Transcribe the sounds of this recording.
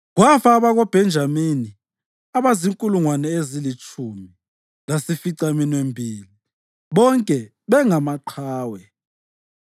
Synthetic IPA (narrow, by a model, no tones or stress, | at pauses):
ɣwafaːβaɣɔb̥ʱɛnd͡ʒʱamini | aβaziŋkʼuluŋwanɛezilit͡ʃʼʰumi | lasifiǀaminwembʱiːli | βɔŋkʼɛ | βɛŋamaǃʰaːwɛ